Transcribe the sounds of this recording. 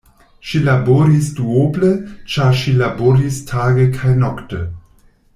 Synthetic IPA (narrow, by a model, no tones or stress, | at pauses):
ʃilaboɾisduoblət͡ʃaɾʃilaboːɾistʰaːɡəkʰajnɔktə